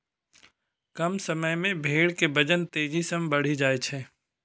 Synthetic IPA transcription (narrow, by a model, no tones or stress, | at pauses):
kɐmsɐməjmẽbʱeːɽkebɐd͡ʒənt̪eːd͡ʒisɐmbɐɽ̤id͡ʒaːet͡ʃʰɛː